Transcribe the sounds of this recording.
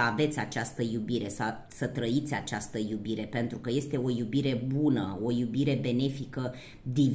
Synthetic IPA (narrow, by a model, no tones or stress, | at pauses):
ave̞t̪sʲat͡ʃast̪əjubiɾe̞sa | sət̪ɾəit̪sʲat͡ʃast̪əjubiɾe̞pe̞nt̪ɾukəje̞st̪e̞o̞jubiɾe̞bunəo̞jubiɾe̞be̞ne̞fikə | d̪i